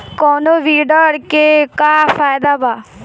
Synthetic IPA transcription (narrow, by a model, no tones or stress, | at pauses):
kɔːnoːʋiːɖəɾkekaːfʰaːjd̪aːbaː